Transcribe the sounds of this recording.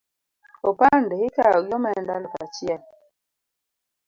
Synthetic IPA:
opandɛhikaɡɔmɛndalkat͡ʃial

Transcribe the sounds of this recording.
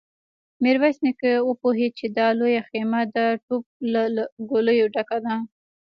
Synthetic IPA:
meɾwasnɪkəwəpoɦet͡ʃed̪ɑlojaxemad̪əʈop̚laɡoləjoɖakad̪a

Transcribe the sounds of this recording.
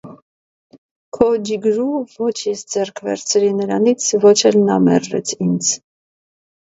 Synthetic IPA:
kʰɔd͡ʒiɡɾuvɔt͡ʃʰjɛsd͡zɛrkʰvɛ̰ɾt͡sʰɾinəɾɑnit͡sʰvɔt͡ʃʰɛlnɑmɛ̰rːɛ̰t͡sʰind͡z

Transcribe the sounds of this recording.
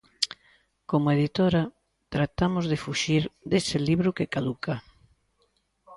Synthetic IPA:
komoeðit̪oɾa | t̪ɾat̪amʊzðɪfuʃiɾd̪esɪliβɾʊkɪkaðuka

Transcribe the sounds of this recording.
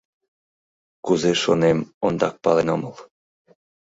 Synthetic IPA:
kuzeʃonemond̪ɑk̚pɑlenoməl

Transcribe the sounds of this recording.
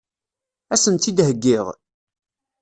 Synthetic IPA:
æsənt̪ːid̪ɦəɡːiʁ

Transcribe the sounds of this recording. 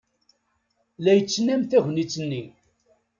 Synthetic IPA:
læjət͡sːnæmθæʝnit͡sːənːi

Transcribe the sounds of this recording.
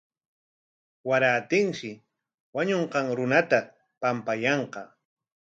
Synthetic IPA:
waɾaːt̪ɪŋʃɪ | waɲoɴqɑŋɾʊnat̪a | pampajɑɴqɑ

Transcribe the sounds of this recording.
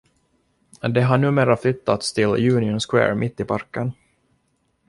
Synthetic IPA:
d̪ɛɦaɳʉ̟ːmeːɾaflʏt̪ːat̪st̪ʰɪljʉ̟ːnɪʊnskwɛ̰ːɾmʔɪt̪ːɪpʰaɾkən

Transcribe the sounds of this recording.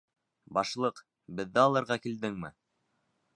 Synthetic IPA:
bɑʃlˠɤq | bɘ̆ðːæɑlˠɤ̆ɾʁɑkild̪ɘŋmɘ

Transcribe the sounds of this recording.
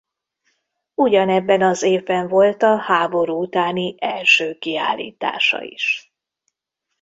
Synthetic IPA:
uɟɒnɛbːɛnɒzeːvbɛɱvo̞lt̪ɒhaːbo̞ɾuːut̪aːniʔɛlʃøːkia̰ːlːḭːt̪a̰ːʃɒ̰ḭʃ

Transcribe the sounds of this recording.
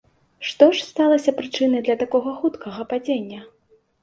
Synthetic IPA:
ʂt̪ɔʂst̪alˠɐsʲɐpɾɨt͡ʂɨnɐjd̪lʲɐt̪akɔɣɐxut̪kʰɐɣɐpad͡zʲenʲːɐ

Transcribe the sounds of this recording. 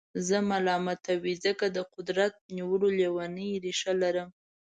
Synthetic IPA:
zəmalɑmat̪awizəkad̪əqʊd̪ɾat̪̚niwəlolewanəjɾiʃalaɾəm

